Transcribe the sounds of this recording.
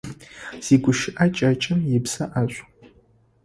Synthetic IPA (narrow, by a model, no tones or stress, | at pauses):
z̥iːɡʷʊʃɪʔɐt͡ʃʼɐt͡ʃʼɪmjɪpsɐʔaɕʷʼ